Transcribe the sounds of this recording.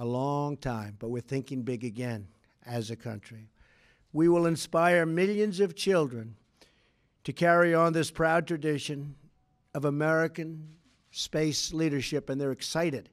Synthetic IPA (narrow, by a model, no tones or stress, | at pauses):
əlɔ̃ŋtʰãɪ̃mbʌt̚wɨð̥θɪ̃ŋkɪ̃ŋbɪɡɨɡɛ̃n | ɨzɨkʰʌ̰̃nt͡ʃɹ̥i | wiwəlˠə̃nspaɪə˞mɪlˠjɨ̃nzʌv̥t͡ʃʰɪlˠdɹɨ̃n | tʰɨkʰɛɹiə̃nðɪspʰɹ̥aʊd̚tɹ̥ɨdɪʃɨ̃n | ʌvəmɛɹɨkɨ̃n | speɪsliɾə˞ʃɪpɨ̃nðə˞ɨksaɪɾɨd̥